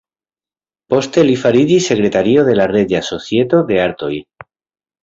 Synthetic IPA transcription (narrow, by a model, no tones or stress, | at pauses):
post̪elifaɾiʎise̞kɾet̪aɾioðe̞lareʝasoθjet̪oðeaɾt̪oj